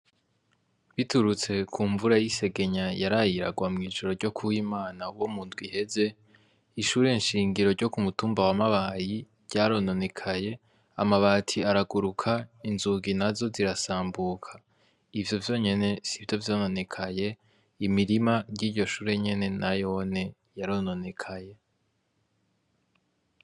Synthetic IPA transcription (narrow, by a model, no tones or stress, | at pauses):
βituɾut͡se̞kʰuːɱvuɾajise̞ɡe̞ɲajaɾajiɾa̰ɡwamŋiːʒoɾo̞ɾɟo̞kʰuwiːmaːnauwomuːndɡwihe̞ze̞ | iʃuːɾe̞nʃiːŋɡiɾo̞ɾɟo̞kumutuːmbawamaβaji | ɾɟ̥aːɾo̞no̞ne̞kʰaje̞ | amaβaːtʰiaɾaɡuɾukʰainzuɡinazo̞ziɾasaːmbukʰḁ | ivjo̞vjo̞ɲe̞ne̞sivjo̞vjo̞ːno̞ne̞kʰaje̞ | imiɾimaɟiːɾɟo̞ʃuːɾe̞ɲe̞ne̞najo̞ne̞ | jaɾono̞ne̞kʰaje̞